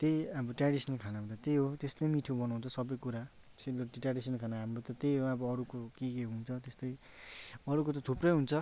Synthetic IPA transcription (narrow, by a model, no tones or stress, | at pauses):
t̪ejʌbʌʈraɽisʌnlkʰanabt̪ʌt̪eɦot̪eslemiʈʰubʌnaw̃nt͡sʰʌsʌbʌjkuɾa | seloʈiʈraɽisʌnkʰanaɦamrot̪ʌt̪ejɦoʌbʌːɾukokekeɦunt͡sʰʌt̪est̪ʌj | ʌɾukot̪̬ʌt̪ʰuprʌjɦunt͡sʰʌ